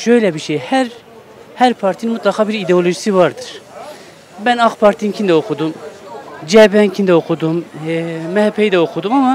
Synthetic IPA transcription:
ʃøjlʲɛbiʃejhæɾ | hæɾpʰaɾt̪ʰininmut̪lˠakʰaːbiɾid̪eo̞lʲo̞ʒisivaɾd̪ɯɾ̥ | bænaxpʰaɾt̪ʰinincʰind̪ɛokʰud̪um | d͡ʒɛbɛncʰind̪ɛokʰud̪um | mɛhɛpʰːɛjid̪ɛokʰud̪umama

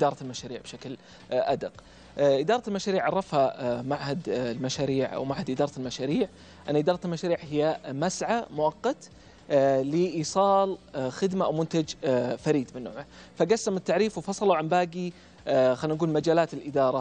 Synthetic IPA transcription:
ʔɪd̪ɑːɾˤɑlmaʃaːɾiːʕbʃakl | ʔad̪ɪq | ʔɪd̪ɑːɾˤɑtɪlmaʃaːɾiːʕɑrˤːɑfhamaʕhad̪lmaʃaːɾiːʕʔa̰wmaʕhad̪ʔɪd̪ɑːɾˤɑlmaʃaːɾiːʕ | ʔanːaʔɪd̪ɑːɾˤɑt̪lmaʃaːɾiːʕhɪjːamasʕamʊʔɑqːɑt̪ | lɪʔiːsˤɑːlxɪd̪maʔawmʊnt̪ad͡ʒfaɾiːd̪mɪnːo̰ːʕma | faɡasːamɪt̪ːaʕɾiːfwfɑsˤɑlawʕambaːɡi | xaːnʔaɡuːlmad͡ʒaːlaːt̪ɪlʔɪd̪ɑːɾˤɑ

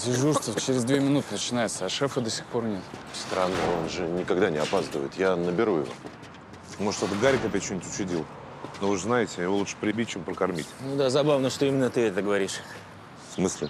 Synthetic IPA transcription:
sʲɪʐurst̪ət͡ɕɪɾʲɪzd̪vʲemʲɪnut̪ɨnət͡ɕɪnajɪt̪səɐʂɛfəd̪əsʲɪ̥xpo̞rnʲet̪st̪ɾanːəonʐɨnʲɪkaɡd̪anʲɪɐpast̪əvə̰jɪt̪janəbʲɪɾujɪ̰vo̞̰ | moə̥t̪ot̪əɡaɾʲɪkɐpʲɛt͡ɕːonʲɪtʲʊt͡ɕʊdʲilˠ | novɨʐznajɪtʲɪjɪvo̞lˠutʂə̥pɾʲɪbʲit̚ʲt͡ɕempɾəkɐrmʲitʲnud̪azɐbavnəʂt̪oimʲɪnːət̪ɨɛt̪əɡəvɐɾʲiʂ | fsmɨslʲɪ

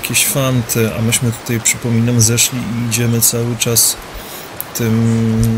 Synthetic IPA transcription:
kʲeɕfant̪ʰɘa̰mɘɕmɘt̪u̥t̪ajpʂɘpɔmʲinamzɛʂlʲiiːd͡ʑɛmɘt̪sawɘt͡ʂas | t̪ɘm

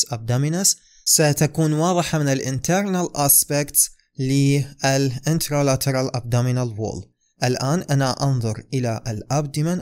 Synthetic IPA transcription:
ʔab̚d̪amɪnas | sat̪akuːnwɑːðˤɨħamɪnɪlʔɪ̰nt̪aɾnalʔaːspɪkt̪s | liɪlʔɪnt̪ɾalat̪ʰɑɾˤalʔab̚d̪amɪnalwo̰ːl | ʔɪlʔaːnʔanaʔɑnðˤʊɾʔɪlaʔlʔab̚d̪ɪman

